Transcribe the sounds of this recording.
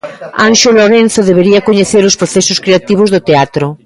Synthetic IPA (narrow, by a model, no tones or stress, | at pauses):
anʃoloɾen̟θoðeβ̞eɾiakoɲeθeɾospɾoθesoskɾeat̪iβ̞ozðot̪eat̪ɾo